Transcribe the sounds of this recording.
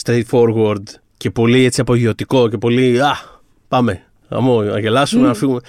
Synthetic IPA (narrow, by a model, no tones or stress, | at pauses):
st̪ɾejt̪fo̞ɾɣoɾd̪ | ce̞po̞lie̞t͡siɐpo̞ʝio̞t̪iko̞ce̞po̞liɐ | pɐme̞ | ɐ̰monɐ̰ʝe̞lɐsumenɐfiɣume